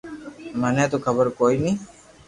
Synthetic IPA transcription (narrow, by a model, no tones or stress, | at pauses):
maneat̪okʰaboɾkojni